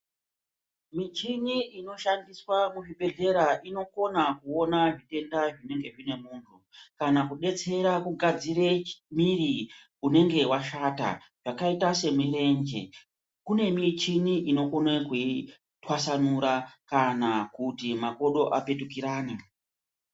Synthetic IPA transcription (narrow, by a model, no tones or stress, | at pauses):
mit͡ʃiniino̞ʃandiswamuʐiɓʱe̞ɮe̞ɾaʔino̞ko̞nakuo̞naʐite̞ndaʐine̞ŋɡe̞ʐine̞muːntʰukanakuɗe̞t͡se̞ɾakuɡʱad͡ziɾemiɾi | une̞ŋɡe̞waʃata̰ | ʐ̥akaitase̞mire̞ɲd͡ʒe̞̰ | kune̞mit͡ʃiniʔino̞ko̞nekui | twasanuɾakanakutimako̞ɗo̞ʔape̞tukiɾaːni